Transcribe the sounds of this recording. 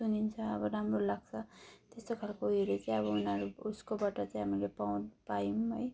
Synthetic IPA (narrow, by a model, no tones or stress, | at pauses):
sunint͡sʰʌʌbʌɾamrolaɡ̚t͡sʰʌt̪est̪okʰalkouieɾet͡saĩj̃ʌβʌunʌɾuuskobaʈʌt͡sãĩɦamilepaw̃npaimɦoj